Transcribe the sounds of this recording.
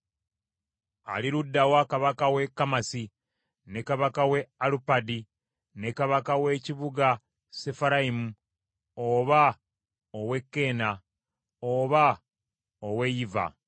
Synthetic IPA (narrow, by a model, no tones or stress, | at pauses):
a̰liɾudːawakaβakawe̞kːamasi | ne̞kaβakawe̞alupadi | ne̞kaβakawe̞ciβuɡa | sefaɾaimu | oβa | owe̞kːe̞ːna | oβa | owe̞jiva̰